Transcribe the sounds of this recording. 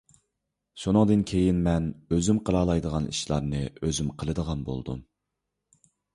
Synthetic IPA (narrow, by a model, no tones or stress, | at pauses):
ʃunɨŋd̪ɨnkʲʰejinmɛnøzymqʰəɾɑːlˠɑjd̪əʁɑnḭʃlˠɑɾnɨøzymqʰəlˠɨd̪əʁɑnbo̰lˠd̪ṵm